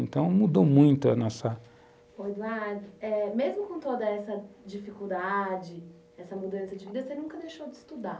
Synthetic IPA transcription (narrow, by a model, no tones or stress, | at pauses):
ẽnt̪ɐ̃w̃mud̪owmũj̃t̪ʊɐnɔsɐ | oed̪uaɾd͡ʒʊɛmezmʊkõt̪od̪ɐɛsɐd͡ʒifikuwd̪ad͡ʒɪ | ɛsɐmud̪ɐ̃sɐd͡ʒɪvid̪ɐsenũkɐd̪ejʃowd͡ʒɪist̪ud̪a